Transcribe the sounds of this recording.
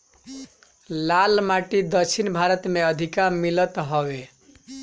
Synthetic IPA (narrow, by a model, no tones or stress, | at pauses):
lalmaʈid̪ʌt͡ʃʰinbʱaɾʌt̪meʌd̪ʱikaɾmilʌt̪ɦʌwe